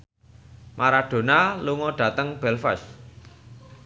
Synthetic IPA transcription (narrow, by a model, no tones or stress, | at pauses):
maɾaɖ̥o̤naluŋɔɖ̥ä̤t̪əŋb̥ɛlfə̰s